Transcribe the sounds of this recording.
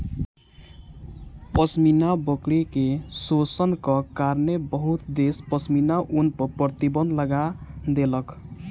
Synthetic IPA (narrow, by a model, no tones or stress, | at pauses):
pʌsminabɔklekesosʌnkʌkaɾnebʌɦut̪d̪espʌsminaʔunpʌpɾʌt̪ibʌnd̪lʌɡad̪elʌk